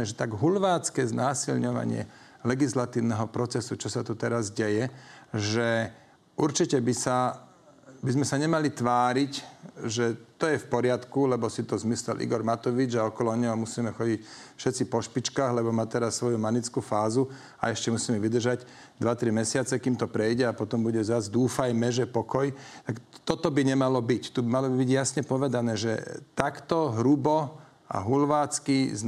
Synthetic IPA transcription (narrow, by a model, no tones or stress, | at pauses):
ɛʒɛt̪aɡɦulʋaːt͡skɛznaːsilɲɔʋa̰ɲɪɛ̰ | lɛɡislat̪iːʊnɛɦɔpɾɔt͡sɛsut͡ʃɔsat̪ut̪ɛɾazɟɛjɛʒɛ | uɾt͡ʃicɛbisa | bizmɛsaɲɛmalit̪ʋaːɾicʒɛt̪ɔjɛfpɔɾɪat̪kulɛbɔsit̪ɔzmislɛ̰lʔḭɡɔɾmat̪ɔʋid͡ʒaɔkɔlɔɲɔɦɔmusiːmɛxɔɟicfʃɛtt͡sipɔʃpit͡ʃkaːɣlɛbɔmaːt̪ɛɾasːʋɔjumanit͡skuːfaːzu | a̰ɛʃcɛmusiːmɛʋid̪r̩ʒaɟ | d̪ʋat̪ɾimɛsɪat͡sɛkiːmt̪ɔpɾɛjɟɛapɔt̪ɔmbuɟɛzazd̪uːfajmɛʒɛpɔkɔjt̪akt̪ɔt̪ɔbiɲɛmalɔbict̪ubimalɔbibiɟjasɲɛpɔʋɛd̪anɛːʒɛ̰t̪akt̪ɔɦɾubɔ | a̰ɦulʋaːt͡skiz